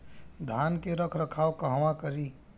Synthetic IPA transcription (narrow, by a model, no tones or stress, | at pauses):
d̪ʱankeɾəkʰɾəkʰawkəɦwãkəɾi